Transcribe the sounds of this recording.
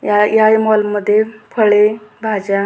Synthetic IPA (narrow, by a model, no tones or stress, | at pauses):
jajajmɔlməd̪ʱːjepʰəɭebʱad͡ʑa